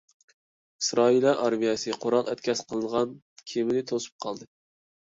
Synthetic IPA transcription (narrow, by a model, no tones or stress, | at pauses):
isɾɑilˠɑʔɑɾmijɛsɨqʰoɾɑlˠɛt̪kʲʰɛsqʰəlˠɨnʁɑn | kʲʰemɪnɪt̪ʰosu̥p̚qʰɑlˠd̪ɨ